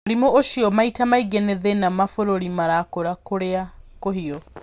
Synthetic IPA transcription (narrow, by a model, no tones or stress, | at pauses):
oɾimoʔoʃiɔmaitamaiɡɛnɛðɛnamafoɾoɾimaɾakoɾakoɾeakoɦiɔ